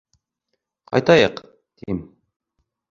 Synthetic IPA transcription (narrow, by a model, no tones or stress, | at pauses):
qʰɑ̰jt̪ɑjɤq | t̪im